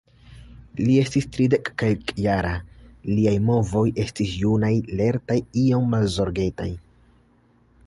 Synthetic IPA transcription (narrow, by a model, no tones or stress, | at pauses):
lie̞stistɾide̞kːelkjaɾaliajmo̞vo̞jʔe̞stisjunajle̞ɾtajio̞mːalzo̞ɾɡe̞taj